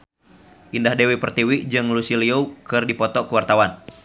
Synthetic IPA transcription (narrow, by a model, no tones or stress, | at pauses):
ʔindahdewipərt̪iwid͡ʒɨŋlusiliokɨrdipɔt̪ɔkəwart̪awan